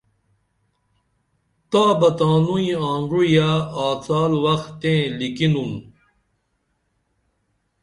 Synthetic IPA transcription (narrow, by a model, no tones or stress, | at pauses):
t̪aːbɐt̪aːnuĩãːŋɡujaaːt͡saːlwɐxt̪ẽːlikinun